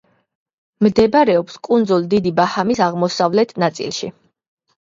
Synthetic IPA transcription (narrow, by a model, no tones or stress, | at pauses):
md̪ɛbɾɛɔpskʼund̪zulˠd̪id̪ibahamisaʁmɔsavlɛt̪ʰnat̪sʼḭlˠʃḭ